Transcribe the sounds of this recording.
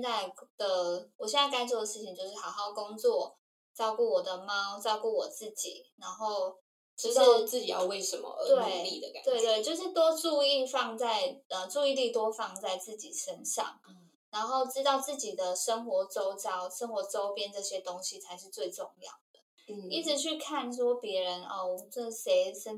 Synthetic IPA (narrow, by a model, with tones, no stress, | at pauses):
t͡sa˥˧˩ɪd̪̥ə˨wɔ˨˩ɕjɛ˥˧na˥˩ɪka˥ɪt͡swɔ˥˩d̪ə˩ʂɻ̩˥˩t͡ɕʰi˨˩ŋt͡ɕjo˥˧ʊʂɻ̩˥˩ɑ˨˩ɑ˥˩ʊkʊ˥ŋt͡swɔ˥˩ | t͡sɑ˥˧ʊku˥˩wɔ˨˩d̪ə˦mɑ˥ʊt͡sɑ˥ʊku˥˩wɔ˨˩t͡sɹ̩˥˩t͡ɕḭ˨˩˦na˧˥nxo˥˩ʊ | ʈ͡ʂɻ̩˧˥˩t͡sɹ̩˥˩t͡ɕi˨˩jɑ̰˥˧ʊwe˥˩ɪʂə˧˥nmə̰˧t̪we˥˩˥ɪli˥˨d̪ə̰˨kka̰˨˦t̪we˥˧ɪt̪we˥˩ɪt͡ɕjo˥˧ʊʂ̬ɻ̩˥˩t̪wɔ˥ʈ͡ʂu˥˧i˥˧fɑ˥˧ŋt͡sa˥˩ɪə˨˩ʈ͡ʂu˥˧i˥˧li˥˧t̪wɔ˥fɑ˥˧ŋt͡sa˥˧ɪt͡sɹ̩˥˩t͡ɕḭ˨˩ʂə˥nʂɑ̰˥˩ŋ | na˧˥nxo˥˩ʊt͡sɻ̩˥t̪ɑ˥˧ʊt͡sɹ̩˥˩t͡ɕi˨˩d̪ə˦ʂə˥ŋxwɔ˧˥ʈ͡ʂo˥ʊt͡sɑ˥ʊʂə˥ŋxwɔ˨˧˥ʈ͡ʂo˥ʊpjɛ˥nʈ͡ʂɤ˥˩ɕjɛ˥t̪o˥ŋɕi˨t͡sʰa˧˥ɪʂ̬ɻ̩˥˧t͡swe˥˧ɪʈ͡ʂʊ˥˧ŋjɑ̰˥˩ʊd̪̥ə˩˥˩ | i˥˩ʈ͡ʂɻ̩˧˦t͡ɕʰy˥˧kʰa˥˨nʂwɔ˥pjɛ˧˥ɻə˧˦nə˥˩˨ɔ˥˩se˧˥ɪʂə˥